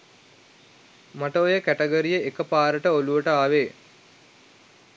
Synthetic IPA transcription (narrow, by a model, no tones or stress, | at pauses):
maʈəojəkæʈəɡəɾijəekəpaːɾəʈəoluʋəʈəaːʋeː